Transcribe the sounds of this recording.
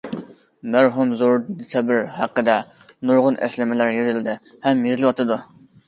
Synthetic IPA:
mæɾɦumzoɾd̪ɪsʰɛbɪɾhæqːəd̪ɛ | nuɾʁʊnʔɛ̰slɪmɪlæɾjezɪlɪd̪ɪ | hɛmjezɪlˠwɑt̪ʰɨd̪u

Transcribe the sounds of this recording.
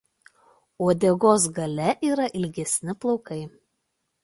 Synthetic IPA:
oːd̪ʲɛɡoːs̬ɡɐlʲɛʔiːɾɐʔɪlʲɡʲɛsʲnʲɪplˠɔʊkɐɪ

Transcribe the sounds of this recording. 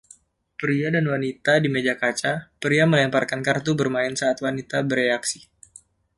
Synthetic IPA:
pəɾiadanwanit̪adimed͡ʒakat͡ʃapəɾiaməlamparkankart̪ubərmaɪnsaːt̪wanit̪abəreaksi

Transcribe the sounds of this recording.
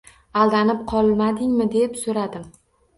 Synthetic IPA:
alˠd̪anɪp̚qʰɒlˠmad̪ɪŋmɪd̪e̞psoɾad̪ɪm

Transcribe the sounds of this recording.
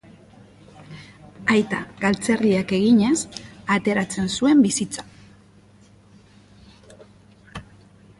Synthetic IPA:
ajt̪a̰ɣalt͡se̞riake̞ɣ̞iɲe̞sat̪e̞ɾat͡se̞nsue̞mbisit͡sḁ

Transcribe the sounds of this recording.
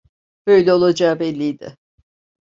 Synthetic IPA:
b̥øjlʲɛo̞lˠad͡ʒaːbɛlʲːijd̪ɪ̰

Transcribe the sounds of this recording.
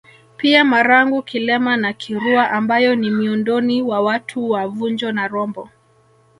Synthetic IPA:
piamaɾaŋɡukilɛmanakʰiɾuaʔambajɔnimiundɔniwawatʰuwavund͡ʒɔnaɾɔmbɔ

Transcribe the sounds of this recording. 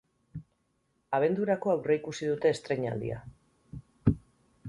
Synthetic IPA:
aβ̞e̞nd̪uɾako̞awre̞ikusið̞ut̪e̞ːst̪ɾe̞ɲa̰ld̪ḭa̰

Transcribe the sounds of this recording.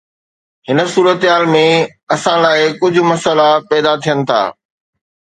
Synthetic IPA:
hɪnə̆suːɾət̪ɦaːlmẽ | ɐsãlaːɪkʊd͡ʑʱʊ̆mɐsəlapɛːd̪at̪ʰijənɪ̆t̪ʰa̰ː

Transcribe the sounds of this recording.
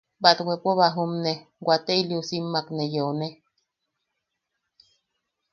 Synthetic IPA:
bat̪wʷepʷoβaɦumneɡʷat̪eiliusimːaknejone

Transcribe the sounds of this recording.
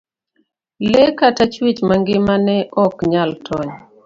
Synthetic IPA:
lɛkatat͡ʃwit͡ʃmaŋɡɪmanɛʔɔkɲaltʰɔɲ

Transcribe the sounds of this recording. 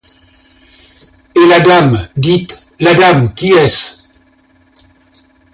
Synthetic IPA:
elad̪amd̪it̪ | lad̪amkʲiɛs

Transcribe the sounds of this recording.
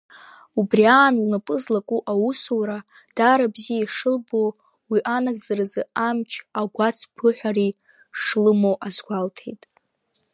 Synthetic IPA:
ubriaːnlnapʼɨzlakʷʼuʔawusuwɾa | d̥aɾabzijaiʂɨlbo | wiʔanaɡzarazɨamt͡ʃʰaɡʷat͡sʰpʰɨħʷᶣari | ʂlɨmowʔazɡʷaltʰḛjtʼ

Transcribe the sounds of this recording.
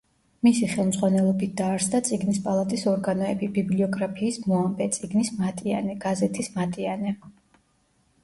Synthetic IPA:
misiχɛlˠmzʁwanɛlˠɔbit̪̚ʰd̪̥aːɾsd̪at̪sʼiɡnispʼalˠat̪ʼisɔɾɡanɔɛbibibliɔɡɾapʰiːsmɔambɛt̪sʼiɡnismat̪ʼianɛɡ̥azɛt̪ʰismat̪ʼianɛ

